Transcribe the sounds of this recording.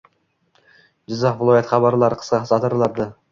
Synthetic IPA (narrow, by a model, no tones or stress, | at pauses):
d͡ʒɪzɑqvlˠojet̪χɑβɑɾlˠɑɾqʰə̥sqɑqsɑt̪əɾlˠɑɾd̪ə